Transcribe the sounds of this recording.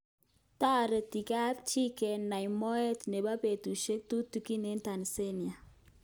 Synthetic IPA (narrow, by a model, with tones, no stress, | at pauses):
ta˦˨ɾe˨ti˨ka˦pt͡ʃi˦kɛ˨nːa˨jmɔ˦ɛ˦tne˨ba˦pe˨tu˨ʃe˦k̚tu˦tu˦ki˦ne˦nta˨n˨se˦nja˨